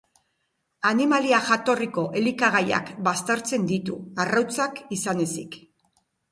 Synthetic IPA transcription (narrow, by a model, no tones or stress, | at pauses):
animaliaʝat̪o̞riko̞ʔe̞likaɣ̞aja̰kbast̪aɾt͡se̞nd̪it̪ṵarawt͡sakisane̞sik